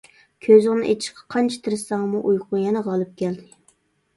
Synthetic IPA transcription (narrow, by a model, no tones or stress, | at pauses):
kʲʰøzɪŋnɪ̰ʔet͡ʃ̪ʰɪ̥ʃqʰɑ̥qʰɑnt͡ʃʰɛ̥t̪ʰɨɾɨsɑŋmuʔujqʊnjɛnɛʁɑlˠɨp̚kʲʰɛld̪ɪ